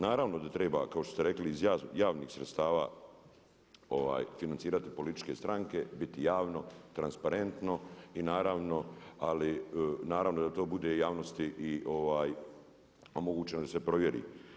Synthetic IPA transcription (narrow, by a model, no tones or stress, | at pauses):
naːɾaːʋno̞d̪at̪ɾeːba̰ːkaoʃt̪ost̪eɾe̞kliːzjaːjaːʋniːxsɾet̪st̪aːʋaː | oʋa̰ːjfinant̪siːɾat̪i̥po̞lit̪i̥t͡ʃke̞st̪ɾaŋke̞bit̪ijaːʋno̞t̪ɾanspaɾe̞nt̪no̞inaːɾaːʋno̞alinaːɾaːʋnod̪at̪o̞ːbud̪e̞jaːʋnost̪iʔiʔoʋaːj | o̞moɡuːt͡ʃe̞nod̪ase̞pɾo̞ʋje̞ɾḭː